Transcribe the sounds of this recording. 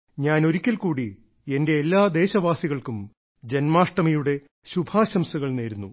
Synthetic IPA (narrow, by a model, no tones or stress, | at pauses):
ɲaːno̞ɾukʲːɐlkuːɽi | ende̞ːlːaːd̪e̞ːɕɐʋaːsiɣɐɭkum | d͡ʑe̞nmaːʂʈɐmɐjuɽe̞ | ɕubʱaːɕɐmsuɣɐɭne̞ːɾunːu